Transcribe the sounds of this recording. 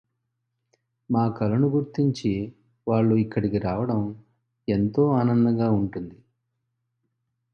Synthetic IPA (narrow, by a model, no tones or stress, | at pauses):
maːkɐlɐnuɡuɾt̪iɲt͡ʃi | ʋaːɭːuikːɐɽikiɾaːʋɐɽɐm | e̞nt̪o̞ːaːnɐnd̪ɐɡaːuɳʈund̪i